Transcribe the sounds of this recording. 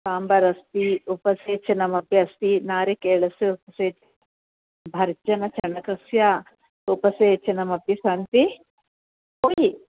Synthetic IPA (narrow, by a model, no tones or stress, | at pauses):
saːmbɐɾɐst̪iupɐseːt͡ʃɐnɐmɐpjɐɐst̪inaːɾekeːɭɐsɐupɐseːt͡ʃɐɐ | bʱɐɾd͡ʒɐnɐt͡ʃʰɐɳɐkɐsja | upɐseːt͡ʃɐnɐmɐbjɐsɐnt̪i | oji